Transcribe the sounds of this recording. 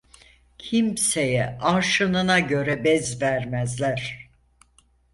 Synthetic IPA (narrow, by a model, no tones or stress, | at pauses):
cʰimse̞jɛaɾʃɯnɯnaɟø̞ɾɛbɛzvæɾmæzlʲæɾ̥